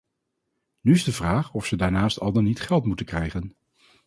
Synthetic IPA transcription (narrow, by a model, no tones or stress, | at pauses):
nyɪzdəvraːχɔfsədaːɹnaːstɑ̰lˠdənitχɛlˠtmutənkrɛjχən